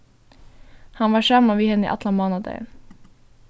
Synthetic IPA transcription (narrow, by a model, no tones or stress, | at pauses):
hɑnʋɑːʃɑmɑʋiːhɛnə̰ʔɑ̰t̪ʰlɑmɑːnɑd̪ɑ̰ɪə̰n